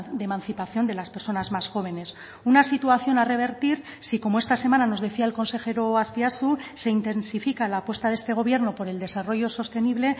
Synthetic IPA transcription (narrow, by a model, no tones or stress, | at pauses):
d̪emãnθipaθjo̞nd̪e̞laspe̞ɾso̞nazmasxo̞β̞e̞ne̞s | unasit̪uaθjo̞nare̞β̞e̞ɾt̪iɾ | siko̞mo̞est̪ase̞manano̞zðe̞θiaelko̞nse̞xe̞ɾoastiasuse̞int̪e̞nsifikalaːpwe̞st̪aðe̞st̪e̞ɣ̞o̞β̞je̞ɾno̞po̞ɾe̞ld̪e̞saro̞ʝo̞so̞st̪e̞niβ̞le̞